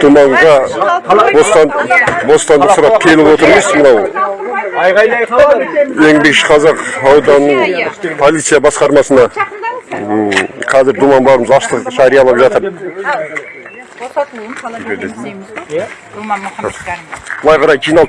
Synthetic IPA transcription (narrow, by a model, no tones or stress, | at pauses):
d̪̥umɑɴʁɑ | bo̞st̪ɑbo̞st̪ɑnd̪əqsʊɾɑpkʲʰe̞lɪpwo̞t̪əɾməzmənɑw | e̞ŋbe̞kʃɪ̥qʰɑzɑqɑwd̪ɑnːəɴpʰo̞lˠit̪sɨjabɑsqɑɾmɑsənɑ | qʰɑzɪɾd̪umɑnb̪ˠɑɾəməzɑst̪əqʒɑɾijɑlˠɑpʒɑt̪əɾ | ɪed̪e | b̥əlˠɑjqʰɑɾɑjqʰijnɑlˠd̪